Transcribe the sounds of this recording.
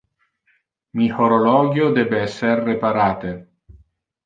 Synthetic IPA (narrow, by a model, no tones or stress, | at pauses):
mihoɾolɔːɡjod̪ɛːbeɛsːerːepaɾaːt̪e